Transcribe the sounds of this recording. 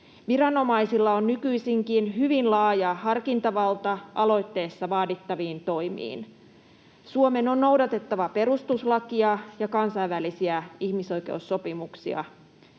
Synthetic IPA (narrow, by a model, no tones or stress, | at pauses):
ʋiɾɑno̞mɑjsilːɑonːykyisiŋkinɦyʋinlɑːjɑhɑrkint̪ɑʋɑlt̪ɑʔɑlo̞jt̪ːe̞ːsːɑʋɑːdit̪ːɑʋiːnt̪o̞jmḭːn | suome̞no̞nːowdɑt̪e̞t̪ːɑʋɑpe̞ɾust̪uslɑkiɑjɑkɑnsɑiʋʋælisiæihmiso̞jke̞̰usːo̞pimuksiɑ̰